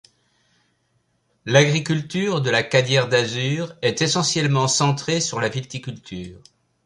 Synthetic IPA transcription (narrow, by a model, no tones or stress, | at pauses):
laɡʁikʲylt̪yːʁd̪əlakad̪jɛʁd̪azyːʁɛt̪esɑ̃sjɛlmɑ̃sɑ̃t̪χesyʁlavilt̪ikʲylt̪ʰyːʁ